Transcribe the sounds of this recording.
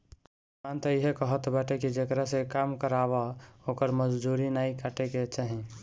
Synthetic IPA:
ant̪əiɦekəɦət̪baʈekid͡ʒekɾasekamkəɾaβaokəɾməd͡ʒd̪uɾinaikaʈeket͡ʃaɦĩ

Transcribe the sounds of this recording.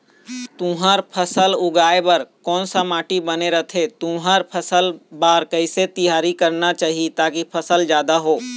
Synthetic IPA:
t̪ũɦaɾpʰɐsəlʊɡaːebɐɾkɔːnsamaːʈibɐneɾɐt̪ʰet̪ũːɦaɾpʰɐsəlbaːɾkəɪset̪ɪjaːɾikɐɾnat͡ʃaːɦiet̪aːkipʰɐsəld͡ʒjaːd̪aɦoː

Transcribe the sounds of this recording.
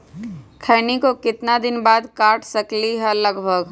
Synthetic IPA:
kʰəːnikokɪt̪nad̪ɪnbaːd̪kaːʈʰsəkliɦɛ̃ləɡbʱəɡ

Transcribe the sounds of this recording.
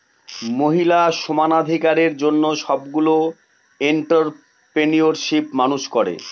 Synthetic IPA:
moɦilaʃomanad̪ʱikaɾeɾd͡ʑonːoʃɔbɡulo | eɳʈaɾ | pɾenioɾʃipmanuʃkɔɾḛ

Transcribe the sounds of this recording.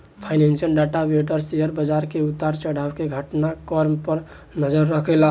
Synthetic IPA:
pʰajnensiəlɖaʈabeʈəɾsijəɾbəd͡ʒaɾkeut̪ːaɾt͡ʃəɽ̤abkeɡʱəʈnakəɾmpəɾ | nəd͡ʒəɾːəkʰɛla

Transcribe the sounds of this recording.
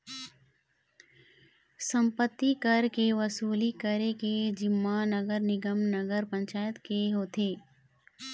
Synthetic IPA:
sə̃mpət̪ːikəɾkeʋəsuːlikəɾeked͡ʒɪmːanəɡəɾnɪɡəmnəɡəɾpə̃ɲt͡ʃaːjət̪keɦoːt̪ʰeː

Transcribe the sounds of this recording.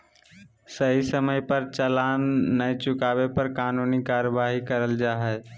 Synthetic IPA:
səɦisəməjpəɾt͡ʃəlaːnːəit͡ʃʊkaːʋepəɾkaːnuːnikaːɾəbaːɦikəɾəld͡ʒaːɦɛe

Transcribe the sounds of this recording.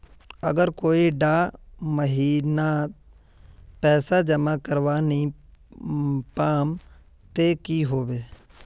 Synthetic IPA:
əɡəɾkoːiɖaːməɦiːna | pɛːsaːd͡ʒəmaːkəɾʋaːniː | paːm | t̪eːkiːɦoːʋeː

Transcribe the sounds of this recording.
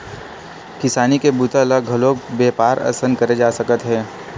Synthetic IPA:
kɪsaːnikebut̪aləɡʱəloːɡ̚beːpaːɾɐ̰sənkɐɾed͡ʒaːsɐkət̪ɦɛ̃ː

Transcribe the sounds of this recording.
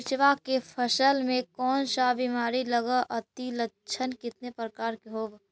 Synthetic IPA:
ɪt͡ʃʋakepʰəsəlmẽkɔːnʃabimaːɾiləɡəʔət̪ilə | t͡ʃʰənkɪt̪nepɾəkaːɾkeɦoːb

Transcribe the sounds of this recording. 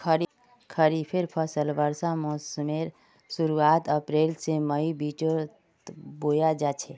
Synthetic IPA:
kʰəɾi | kʰəɾipʰɪɾpʰəsəlʋəɾsamɔːsəmeɾ | sʊɾuaːt̪əpɾeːlseməibiːt͡ʃo | boːjad͡ʒat͡ʃʰe

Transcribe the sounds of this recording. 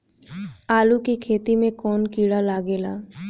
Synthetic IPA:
aːlukikʰet̪imẽkɔnkiɽalaɡela̰

